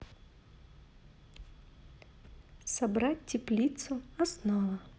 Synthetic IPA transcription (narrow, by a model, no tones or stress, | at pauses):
sɐbɾat̚ʲtʲːɪplʲit̪sʊɐsnɔvɐ